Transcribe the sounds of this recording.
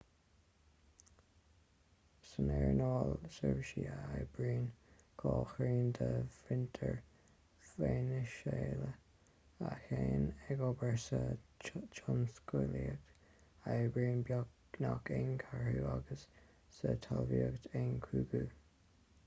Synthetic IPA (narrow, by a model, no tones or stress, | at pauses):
sənɛɹnɔːlsəvʃiːaajb̥ɹiːnkʰɔːxɾiːnd̪əvɪnt̪ʰəɹ | veːnəʃeːlə | axeːnɛɡɔbəɹsə | t͡ʃɔnskuliəkt | ajbɹiːnb | nakʰɪŋkʰaɹhuːaɡəsː | ət̪ʰalviəɡt̪ʰeŋkʰuːɡuː